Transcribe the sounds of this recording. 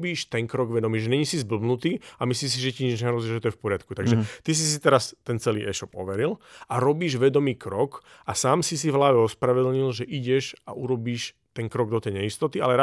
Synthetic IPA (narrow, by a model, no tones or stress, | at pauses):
biːʃt̪ɛŋkɾɔɡʋɛd̪ɔmiːʒɛɲɛɲisizbl̩bnut̪iːamisliːms̬iʒɛciɲɛd͡ʒɲɛɦɾɔziʒɛt̪ɔjɛfpɔɾɪat̪kut̪aɡʒɛt̪is̬is̬it̪ɛɾast̪ɛnt͡sɛlḭːʔɛ̰ʃɔpɔ̰ʋɛɾilaɾɔbiːʒʋɛd̪ɔmiːkɾɔk | asaːmsis̬ivɦlaːʋɛɔspɾaʋɛd̪l̩ɲilʒɛʔiɟɛʃa̰ʔuɾɔbiːʃ | t̪ɛŋkɾɔɡ̚d̪ɔt̪ɛjɲɛist̪ɔt̪ia̰lɛɾa